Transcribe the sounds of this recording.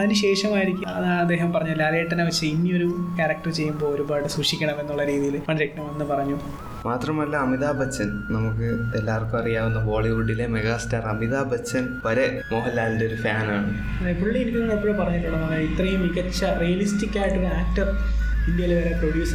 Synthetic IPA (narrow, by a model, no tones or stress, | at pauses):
ɐðinɨɕe̞ːʂɐmaːjiɾikʲːuɐðaːɳɐd̪ːeːɦɐmpɐrɐɲːulːaːleʈːɐnaʋɐt͡ɕːɐinːio̞ɾukaɾɐk̚ʈɐrt͡ɕe̞jːumbo̞oɾumbaːjɽɨsruʂikʲːɐɳɐme̞nːuɭːɐɾiːðijilmɐɳiɾeknɐmʋɐnːɨpɐrɐɲːu | maːt̪rɐmɐlːaɐmiðaːbʱɐt͡ɕːɐnnɐmukːɨelːaːrkːumɐrijaːʋunːɐbo̞ːɭiɾuɽːile̞meɣaːstaːrɐmiðaːbʱɐt͡ɕːɐnpɐɾe | moːɦɐlːaːlndeo̞ɾufaːnaːɳɨ | npːuɭɭːejiɾikʲːunnːɐpːuɭːepɐrɐɲːiʈːuːɳɐmːɐɳːit̪rɐjumiɣɐt͡ɕːɐrijɐlistikʲːaːjiʈːuaːk̚ʈɐrind̪jɐjɐleʋɐɾeproɖjuːs